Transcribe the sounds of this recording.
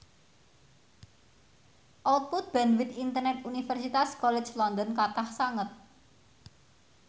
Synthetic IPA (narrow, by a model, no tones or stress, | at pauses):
ʔɔlt̪̚put̪̚b̥ɛnwit̪int̪ərnɛt̪unifɛrsit̪askɔlɛ̥t͡ʃlɔnd̪ɔnkat̪ahsaŋət̪̚